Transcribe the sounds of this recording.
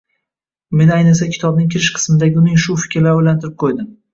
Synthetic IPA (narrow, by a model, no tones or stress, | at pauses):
me̞najnɪsakʲʰɪ̥t̪ʰɒb̚nɪŋkʲʰɪɾɪʃqʰɨ̥smɪd̪aɡʲɪʊnɪŋʃʊfɪ̥kʲɾlaojlant̪ʰɪɾɪp̚qʰojd̪ɪm